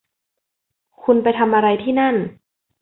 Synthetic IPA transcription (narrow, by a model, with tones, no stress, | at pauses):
kʰu˧npa˧jt̪ʰa˧mʔa˧ɾa˧jt̪ʰiː˥˩na˥˩n